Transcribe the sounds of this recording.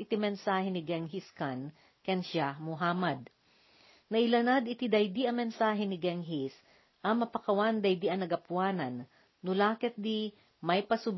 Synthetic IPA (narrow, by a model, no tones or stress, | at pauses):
ʔɪt̪imɛnsaːhɛnɪɡɛŋɦiskan | kɛnʃamʊɦaːmɐd̪̚ | nɐʔɪlɐnad̪ɪt̪id̪ɐjd̪iʔɐmɛnsaːɦɛnɪɡɛŋɦis | ʔɐmɐpɐkɐwand̪ɐjd̪iʔɐnɐɡɐpwaːnɐnː | ʊlaːkɛt̪̚d̪i | mɐjpɐsʊb